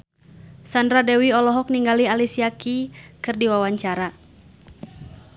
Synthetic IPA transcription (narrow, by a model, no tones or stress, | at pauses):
sandɾadɛwiɔlɔɦɔk̚niŋɡalialisiakikɨrdiwawaɲt͡ʃaɾa